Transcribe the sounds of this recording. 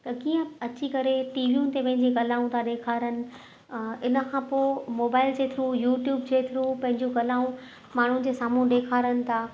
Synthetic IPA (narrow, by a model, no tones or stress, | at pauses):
t̪ɐkiːə̃ɐt͡ɕikɐɾeʈiːʋiũːnɪ̆t̪epɐ̃ɦɪ̃ɲ̆d͡ʑiɡɐlaːũt̪ʰaɗeːkʰaːɾənɪ̆ | ɪnə̆kʰãːpoːmoːbaːɪld͡ʑeːt̪ʰɪɾũjuːʈjuːbd͡ʑeːt̪ʰɪɾũpɐ̃ɦɪ̃ɲd͡ʑũɡɐlaːũ | maːɳ̤uɪ̆d͡ʑeːsaːmũɗeːkʰaːɾənɪ̆t̪ʰaː